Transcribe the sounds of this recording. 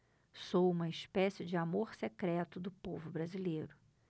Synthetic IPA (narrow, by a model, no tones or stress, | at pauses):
sowũmɐɪspɛsɪd͡ʒɪamoɾsekɾɛt̪ʊd̪ʊpovʊbɾazilejɾʊ